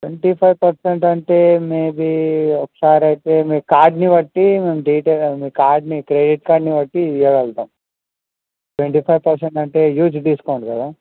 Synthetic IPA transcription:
ʈʋeɳʈipʰɐjʋpɐɾseɳʈɐɳʈeːmeːbiɔkːɐ̥saːɾɐjt̪eːmeːkaːɾɖniʋɐʈːimeːmɖiːʈemiːkaːɾɖnikɾeːɖiʈ̚kaːɾɖniʋɐʈːijɐʋɛlt̪aːm | ʈʋeɳʈiːpʰɐjʋpɐɾseɳʈɐɳʈe̞ːjuːd͡ʒd̪iːsu̥kɐʋɳɖkɐd̪aː

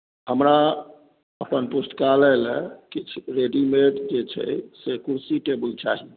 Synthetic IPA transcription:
ɦəmɾa | əpənpusʈ̪kalɛlɛkit͡ʃʰɾeɖimeɖd͡ʒet͡ʃʰɛ̰sekuɾsiʈebəlt͡ʃaɦi

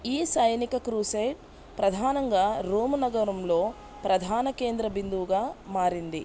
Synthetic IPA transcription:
iːsɐjnikɐkɾuːsejʈ̚ | pɾɐd̪ʱaːnɐŋɡaːɾuːmunɐɡɐɾɐmlo̞ː | pɾɐd̪ʱaːnɐke̞ːnd̪ɾɐbind̪uʋɡaːmaːɾind̪ḭ

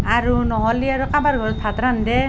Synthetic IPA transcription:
aɹunɔɦɔliaɹukabaɹɡʱɔɹɔsʰat̪ɾandɛ

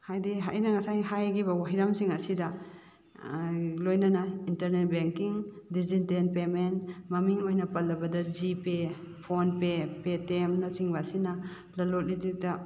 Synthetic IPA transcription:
hajdiɦa̰jnaŋasajɦajɡibawaɦiɾamsiŋasida | lojnanaintɐɾnet̚beŋkiŋ | dizintenpemenmamiŋojnapɐlːɐbɐdazipe | pʰonpepetemnasiŋbasina | lɐlɔt̚lidik̚ta

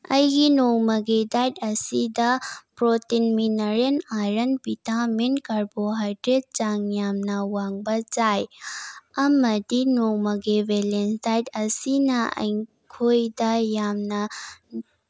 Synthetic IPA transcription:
ɐjɡinoŋmɐɡedajdɐsidɐpɾotinminɐɾenajɾɐnpitamenkɐɾboɦajdɾed̚d͡ʒaŋjamnɐwaŋbɐd͡ʒaj | ɐmɐdinoŋmɐɡebelensdajdɐsinɐɐ̰j | kʰojdɐjamnɐ

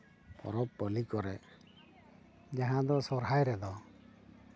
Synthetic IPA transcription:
pɔ̰ɾɔppɔlikɔɾɛ | d͡ʒaɦãd̪ɔsɔɾɦajɾɛd̪ɔ

